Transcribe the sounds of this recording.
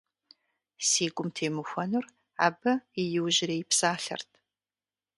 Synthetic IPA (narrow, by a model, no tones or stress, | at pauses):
siːɡʷʼʊmtʰeːmɨxʷɐnʊr | a̰ːbɐijɪwʑɪreːjɪpsaːɬɐ̰rtʰ